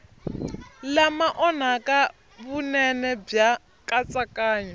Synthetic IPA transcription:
lamaʔɔnakʼa | βunɛnɛb͡ʐja | kʼat͡sʼakʼaːɲɛ

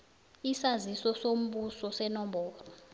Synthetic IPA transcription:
isazisɔsom̩ɓusɔsɛnɔmbɔːlɔ

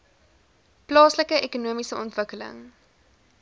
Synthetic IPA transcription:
plɑːsləkəʔekunuəmisəɔntvəkələ̰ŋ

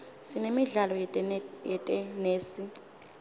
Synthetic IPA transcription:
sinemiɮalɔjɛtʼɛneːsi

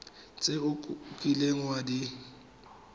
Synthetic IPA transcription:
t͡sʼeʊkʼileŋ̩wadi

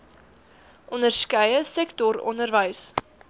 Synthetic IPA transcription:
ʔɔndərskəjəsɛktɔɾɔ̰ndərvəjs

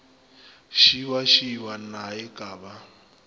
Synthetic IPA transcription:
ʃiwaʃiwanaɛkʼaːba

